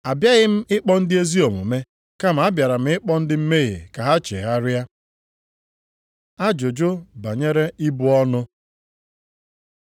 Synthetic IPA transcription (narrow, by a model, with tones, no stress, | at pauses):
a˨bja˦ɣɪ˦m̩˦ɪ˦k͡pɔ˦n̩˦dɪ˦e˦zi˦o˨mṵ˨me˦ | ka˦m̩˨a˦bja˨ɾa˨m̩˦ɪ˦k͡pɔ˦n̩˦dɪ˦m̩˦me˦ɣḛ˨ka˨ɦa˦t͡ʃḛ˨ɣa˦ɾja˦ | a˦d͡ʒo˨d͡ʒo˦ba˨ɲe˦ɾe˦i˦bʊ˦ɔ˦nʊ˦